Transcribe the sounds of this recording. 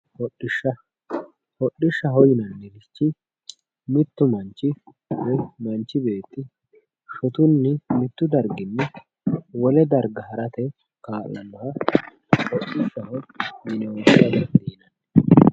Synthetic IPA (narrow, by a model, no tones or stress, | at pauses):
hɔɗːɪʃːɐ | hɔɗːɪʃːɐɦɔjɪnɐnːɛlɪt͡ʃːɪ | mɪt̪ːʊmɐnt͡ʃːɪ | wɔjmɐnt͡ʃːɪbe̞ːt̪ːɪ | ʃɔt̪ʊnːɪmɪt̪ːʊd̪ɐɾɡɪnːɛ | wɔlɛd̪ɐɾɡɐɦɐɾɐt̪ɛ | kaːlːɐnːɐhɐ | hɔɗːɪʃɐɦɔjɪnɛɔsɐd̪ɐd̪iːnɐn